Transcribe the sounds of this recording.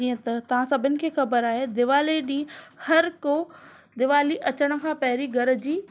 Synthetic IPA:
ĩːə̃t̪ɐt̪ɐʋ̤ãsɐbʱɪnɪ̆kʰeːxɐbəɾaːɦed̪ɪʋaːliɗĩːhɐɾkoː | d̪ɪʋaːliʔɐt͡ɕəɽ̃ə̆kʰãːpɐɦɪɾiɡʱɐɾd͡ʑiː

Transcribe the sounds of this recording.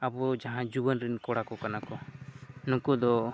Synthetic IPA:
abɔd͡ʒaɦãd͡ʒubənɾinkɔɽakɔkanakɔnũkud̪ɔ

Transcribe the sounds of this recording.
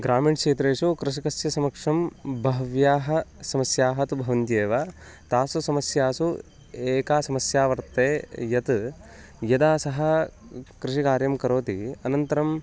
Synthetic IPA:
ɡɾaːmiːɳt͡ʃeːt̪ɾeːʂukɾɪʂ̬ikɐsjɐsɐmɐkʂɐmbʱɐɦɐʋjaːɦɐ̆sɐmɐsjaːɦɐt̪ubʱɐʋɐnt̪jeːʋaː | t̪aːsusɐmɐsjaːsu | eːkaːsɐmɐsjaːʋɐɾt̪eːjɐt̪ | jɐd̪aːsɐɦɐ̆kɾɪʂikaːɾjɐmkɐɾoːt̪iɐnɐnt̪ɐɾɐm

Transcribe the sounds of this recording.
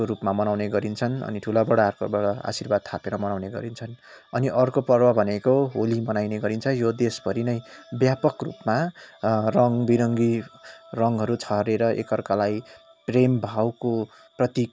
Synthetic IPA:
oɾupmamʌnawneɡʌɾint͡sʰʌnʌ̰niʈʰulabʌɽaarko̰bʌɽʌa̰sirbad̪̚t̪ʰapeɾʌmʌnawneɡʌ̰ɾint͡sʰʌn | ʌniʔʌrkopʌrbabʱʌnekoɦolimʌnajneɡʌɾint͡sʰʌjod̪esbʱʌɾinʌjbjapʌkrṵpma | rʌŋbiɾʌŋɡirʌŋɦʌɾut͡sʰʌɦɾeɾʌʔḛkʌrkalaj | prembʱawko | prʌt̪i

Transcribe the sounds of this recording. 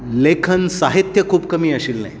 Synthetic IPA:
lekʰənsaɦit̪jəkʰuːbkəmiːəɕiːlna̰ɦj

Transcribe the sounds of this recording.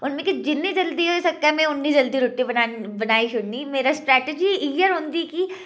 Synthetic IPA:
ʊnmẽkid͡ʒɪnːid͡ʒɐld̪iɦoɪsɐkːamẽʊnːid͡ʒɐld̪iɾʊʈːibɐnabɐnaːit͡ʃʰʊɽnimeːɾasʈɾɛːʈed͡ʒiiːjəɾɦʊ̃nd̪iki

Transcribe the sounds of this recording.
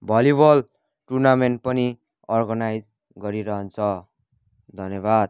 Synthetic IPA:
bʱʌlibʌl | ʈurnameɳʈ̚pʌni | ʌrɡʌnajd͡z | ɡʌɾiɾʌɦʌnt͡sʰʌ | d̪ʱʌnjʌbad̪̚

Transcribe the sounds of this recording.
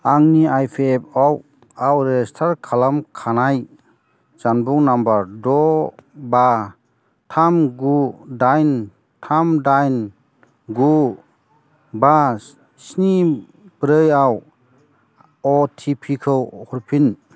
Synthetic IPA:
aŋniajpʰiep̚ʰaw | awɾɛstʰaɾkʰalamkʰanaj | d͡ʒanbuŋnambaɾdɔba | tʰamɡudajn | tʰamdajn | ɡu | ba | sni | bɾɯjaw | ɔtʰipʰikʰɯwhɔɾpʰin

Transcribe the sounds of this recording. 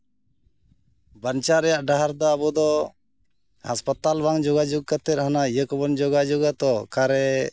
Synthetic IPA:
bant͡ʃaɾɛjaʔɖaɦaɾd̪ɔabɔd̪ɔ | ha̰spat̪albaŋd͡ʒɔɡad͡ʒɔɡ̚kat̪ɛt̪̚hanaijəkɔbɔnd͡ʒɔɡad͡ʒɔɡat̪ɔkaɾɛ

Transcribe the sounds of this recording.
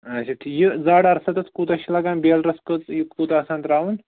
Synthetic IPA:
ɐɕit̪ʰijid͡zaɽɐɾsat̪ɐt͡skut̪ɐɕilaɡanbelɾɐskət͡sjikut̪asãnt̪ɾauːn

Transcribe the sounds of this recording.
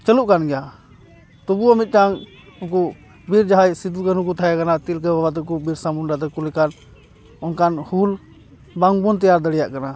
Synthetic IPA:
t͡ʃəluʔkanɡɛja | t̪ɔbuamit̪̚ˀʈaŋ | ɔkɔ | biɾd͡ʒaɦajsid̪ukənuk̬ut̪ʰajakanat̪ilkababat̪ɛkubiɾsamunɖat̪ɛkulɛkan | ɔnkanhul | baŋbɔnt̪ijaɾd̪əɽijaʔkana

